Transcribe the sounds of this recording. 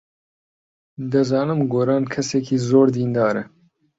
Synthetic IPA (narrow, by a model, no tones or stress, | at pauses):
d̪ɨzɑːnɨmɡoːɾɑːnkʰɛsɛkʰiːzoːɾd̪iːnd̪ɑːɾɛ